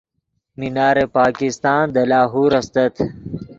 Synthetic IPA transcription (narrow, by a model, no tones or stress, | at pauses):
minaːɾepaːkist̪aːnd̪ɐlaːɦuːɾɐst̪ɐt̪ʰ